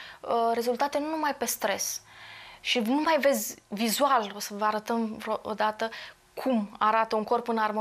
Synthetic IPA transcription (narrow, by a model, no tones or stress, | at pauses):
əɾe̞zult̪at̪e̞nunumajpe̞st̪ɾe̞̰s | ʃinumajve̞d̪zʲvizualosəvəaɾət̪əmvɾoʔo̰d̪at̪ə | kʰumaɾat̪əuŋko̞rpɨnarmo